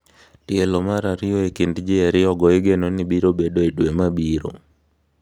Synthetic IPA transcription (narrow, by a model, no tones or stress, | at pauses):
tielomaɾaɾioekindd͡ʒeeɾɪɔɡɔeɡenonibiɾobedoedwemabiɾo̰